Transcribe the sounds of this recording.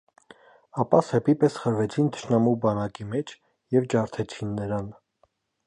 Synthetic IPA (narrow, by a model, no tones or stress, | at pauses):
ɑpɑsɛpipɛsχəɾvɛt͡sʰint̪ʰə̥ʃnɑmubɑnɑkimɛt͡ʃʰ | jɛvd͡ʒɑɾt̪ʰɛt͡sʰinːəɾɑn